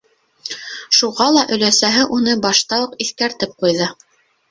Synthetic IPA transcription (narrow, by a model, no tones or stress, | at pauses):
ʃuʁɑlˠɑʔɵ̆læsæɦɘʔunɤbɑʃt̪ɑɤqiθkæɾt̪ɘp̚qujðɤ